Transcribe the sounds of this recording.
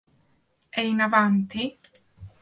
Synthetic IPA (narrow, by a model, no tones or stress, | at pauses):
ɛinavant̪i